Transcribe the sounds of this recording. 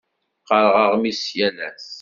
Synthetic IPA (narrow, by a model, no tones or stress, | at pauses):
qəɾˤʁəʁmisjælæs